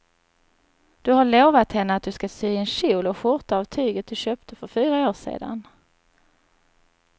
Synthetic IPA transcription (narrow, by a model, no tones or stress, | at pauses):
d̪̥ɵɦaɭoːvat̪hɛnːəat̪̚d̪ɵskasyːɛnɕuːlɔɧʊɾt̪aɑvt̪ʰyːɡət̪̚d̪ɵɕøːpt̪ʰəfœɾfyːɾaoːʂḛːd̪a̰n